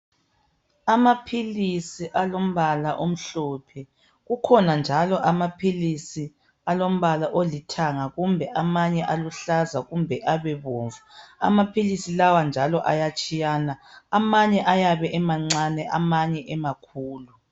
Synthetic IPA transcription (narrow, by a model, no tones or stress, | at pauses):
amapʰilisiʔalom̩βalaʔom̩ɬɔpʰɛ | ɣukʰɔnand͡ʒʱalɔʔamapʰilisi | alom̩βalaʔolitʰaŋaɣumbʱɛʔamaɲɛʔaluɬazaɣumbʱɛʔaβɛβoːɱvua̰mapʰilisilawand͡ʒʱalɔʔa̰jat͡ʃʼijanaamaɲɛʔajaβɛʔɛmaŋ͡ǀanɛʔamaɲɛʔɛmakʰuːlu